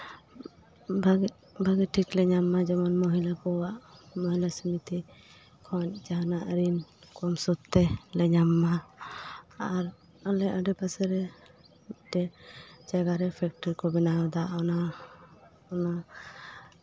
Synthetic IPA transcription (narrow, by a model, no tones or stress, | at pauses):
baɡ | bʱaɡɛʈʰiklɛɲamːad͡ʒɛmɔnmɔɦilakɔwaʔmɔɦilasimit̪i | kʰɔɲd͡ʒaɦanaʔɾinkɔmsɔt̪ːɛlɛɲamːa | aɾ | ɔlɛʔəɖɛpasɛɾɛ | ɖ̥ɛd͡ʒaɡaɾɛpʰɛk̚ʈɔɾkɔbinaɔd̪aʔɔna | ɔna